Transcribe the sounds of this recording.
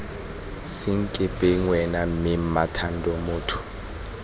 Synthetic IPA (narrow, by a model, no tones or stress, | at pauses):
siŋkʼɪpʼɛŋwɛnamimatʰandʱɔmoːtʰu̥